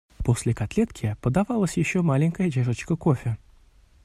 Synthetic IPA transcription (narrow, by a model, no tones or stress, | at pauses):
po̞sʲlʲɪkat̪lʲet̪kʲɪpəd̪avɑlˠəsʲjɪɕːomalʲɪnʲkəjədʲeʐət͡ɕkəkofʲɪ